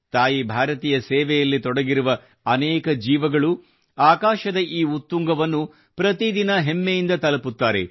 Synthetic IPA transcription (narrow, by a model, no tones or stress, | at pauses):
t̪aːjibʱaːɾɐt̪iːjɐsɛːʋɛjɐlːit̪ɔɽɐɡiɾuʋɐ | ɐnɛːkɐd͡ʒiːʋɐɡɐɭu | aːkaːʃɐd̪ɐʔiːut̪ːuŋɡɐʋɐnːu | pɾɐt̪id̪inɐɦemːejind̪ɐt̪ɐlɐput̪ːaːɾe